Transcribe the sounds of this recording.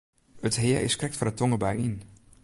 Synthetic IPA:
ətɦɪːɹɪ̰skrɛk̚tfɔrətɔŋəbajin

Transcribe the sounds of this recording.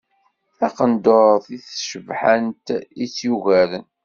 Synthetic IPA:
θæqənd̪oɾθiθʃəvħənt̪it͡sːjuɣælən

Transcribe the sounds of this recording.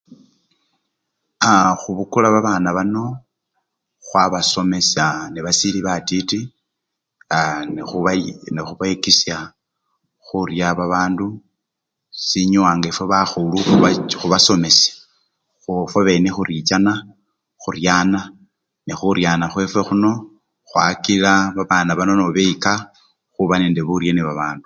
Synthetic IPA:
axuβukulaβaβaːnaβano̞ | xwaβaso̞me̞saniβasiliβatiti | uanexuβaikisja | xurjaβaβaːndu | siɲuwaːŋɡaefweβaxuluxuxuβaso̞me̞sḁ | xufwoβe̞nexuɾit͡ʃana | xurjaːna | nexuɾjaːnaxwe̞fwe̞xuno̞ | xwa̰kilaβaβaːnaβano̞noβeika | xuβaneːndeβuɾjeniβaβaːndu

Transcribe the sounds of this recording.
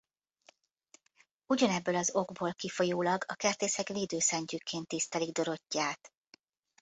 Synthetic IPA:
uɟɒnɛbːøːlɒzo̞ɡboːlkifo̞joːlɒɡɒkɛrt̪eːsɛkleːd̪øːsɛɲcykːeːnt̪ːist̪ɛliɡ̚d̪o̞ɾo̞cːaːt̪

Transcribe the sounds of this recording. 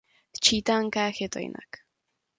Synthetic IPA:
t͡ʃiːt̪aŋkaːxjet̪o̰ḭnʔa̰k

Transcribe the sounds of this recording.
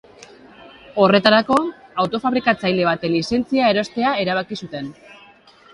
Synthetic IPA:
o̞re̞t̪aɾako̞awt̪o̞faβɾikat͡sajle̞βat̪elise̞nt͡siae̞ɾo̞st̪e̞ae̞ɾaβ̞akisut̪e̞n

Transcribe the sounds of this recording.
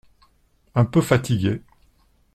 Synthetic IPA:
ɛ̃pøfat̪iɡʲe

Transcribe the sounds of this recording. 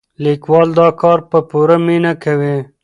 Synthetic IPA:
likwɑld̪ɑkɑɾpəpuɾaminakawi

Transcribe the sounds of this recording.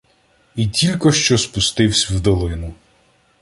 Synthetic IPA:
itʲilʲkɔʃt͡ʃɔspʊst̪ɪwsʲwd̪ɔlˠɪnʊ

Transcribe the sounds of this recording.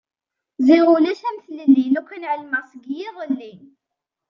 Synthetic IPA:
ziʁulæʃæmθləlːinukʷːənʕəlməʁsəɡjiðˤəlːin

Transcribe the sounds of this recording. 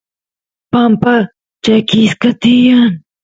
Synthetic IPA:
pɐmpɐ | t͡ʃɐkiːskɐt̪ijɐn

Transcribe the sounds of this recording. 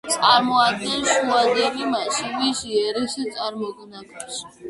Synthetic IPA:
t̪sʼaɾmɔad̪̚ɡɛnʃuad̪ɛmimaʃimiʃiɛɾisɛt̪sʼaɾmɔɡ̪ɛnakʼaʃi̥

